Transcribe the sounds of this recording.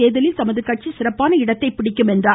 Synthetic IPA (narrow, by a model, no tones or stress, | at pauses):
eːðɐlɪlt̪ɐmɐðɯkːɐʈ̚t͡ʃisɪrɐpːaːnɐɪɽɐt̪ːɐɪpɪɽɪkːɯmɛndraː